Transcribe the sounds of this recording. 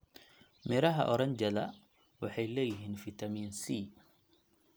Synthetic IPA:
mɛɾɐɦɐ̰ʔɔɾɐɲd͡ʒɐlɐ | wɑħɑjlɛːjɪɦiːnfit̪ʰɐmiːnsiː

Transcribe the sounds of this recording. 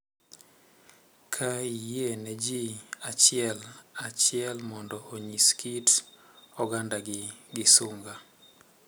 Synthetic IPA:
kʰaijenɛd͡ʒiat͡ʃɪɛlat͡ʃɪɛlmɔndɔoɲiskʰit | ɔɡandaɡɪɡɪsuŋɡa

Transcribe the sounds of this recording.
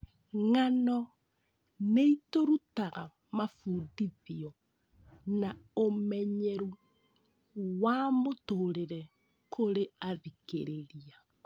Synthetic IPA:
ŋanɔ | neitoɾutaɣa | mafuːdiðiɔ | naomɛɲeɾu | wamotoɾeɾɛ | kʰoɾeaɾikḛɾeɾia

